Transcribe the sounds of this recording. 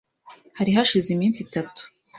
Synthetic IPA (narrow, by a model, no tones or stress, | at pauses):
haɾiɦaʃizimiːnsitatu̥